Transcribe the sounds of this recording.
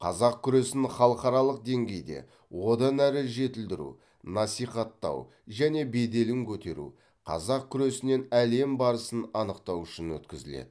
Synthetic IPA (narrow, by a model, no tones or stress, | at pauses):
qʰɑzɑq̚kʲʰʏɾe̞sɪnχɑlˠəqɑɾɑlˠəq̚d̪e̞ŋɡʲe̞jd̪e̞̰ | wo̞d̪ɑnæɾɪʒe̞t̪ɪld̪ɪɾṵ | nɑsijχɑt̪ːɑ̰w | ʒæne̞be̞d̪e̞lɪŋkʲʰɵt̪e̞̰ɾṵ | qʰɑ̰zɑq̚kʲʰʏɾe̞sɪne̞næle̞mbɑɾəsənɑnəqt̪ɑwʏʃɪnwɵt̪kʲɪzɪlḛd̪̥ɪ